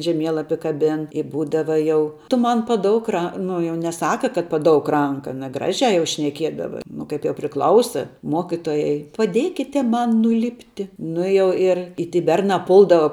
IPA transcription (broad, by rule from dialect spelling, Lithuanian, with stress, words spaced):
ʒʲɛˈmʲiɛlˠɐpʲɪ kɐˈbʲɪn ɪ ˈbuːdɐʋɐ ˈjɛʊ tʊ ˈmɐn pɐˈdoːʊk ˈrɐ ˈnʊ jɛʊ nʲɛˈsɑːkɐ kɐt pɐˈdoːʊk ˈrɐŋkɐ ɐˈnɐ ˈɡrɑːʒʲæː jɛʊ ʃʲnʲɛˈkʲiɛdɐʋɐ ˈnʊ kɐɪp jɛʊ pʲrʲɪˈklˠɐʊsɐ ˈmoːkʲɪtoːjɛɪ pɐˈdʲeːkʲɪtʲɛ ˈmɐn nʊˈlʲɪpʲtʲɪ ˈnʊ ɪ jɛʊ ɪr ɪ ˈtʲiː ˈbʲɛrnɑː ˈpʊlˠdɐʋɐ